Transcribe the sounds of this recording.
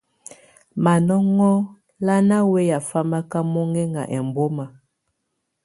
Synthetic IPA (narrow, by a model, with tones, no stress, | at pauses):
ma˨nɔ˦ŋɔ˦ | la˦na˦we˦ja˨fa˦ma˦ka˦mo˦ŋɛ˦ŋa̰˨ʔɛ˨m˨bo˦ma˨